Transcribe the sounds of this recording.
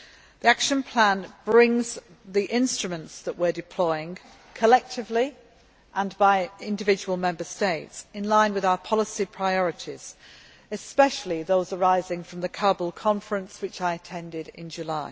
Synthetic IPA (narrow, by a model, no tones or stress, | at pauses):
ðiakʃə̃npʰl̥ãnb̥ɹɪ̃ŋz | ðiʔɪ̃nstɹ̥əmə̃ntsðəʔwɪdɪpʰl̥ɔɪɪ̃ŋ | kʰəlɛk̚tʰɪvli | ʔə̃nbaɪɪ̃ndɪvɪd͡ʒəwəlˠmɛ̃mbəsteɪtsɪ̃nlãɪ̃nwɪðaʊəpʰɒlɪsipʰɹ̥aɪɔɹɪtʰɪz̥ | ɪspɛʃəl̩ˠiðoʊzəɹaɪzɪ̃ŋfɹə̃mðəkʰɜːbəlˠkʰɒ̃ɱfəɹə̃nswɪt͡ʃaɪətʰɛ̃ndɪdɪ̰̃nd͡ʒəlaɪ